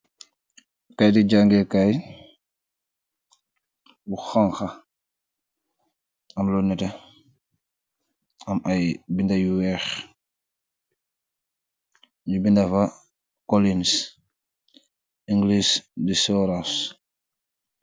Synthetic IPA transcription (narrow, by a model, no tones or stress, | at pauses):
kajdiɟaŋɡɛkaj | wuxaŋxa | ɐmlɔnːɛtɛ | ʔɐmʔajbindajuwɛx | ɲubindɐfɐ | kɔlins | ʔiŋɡlisdisɔɾas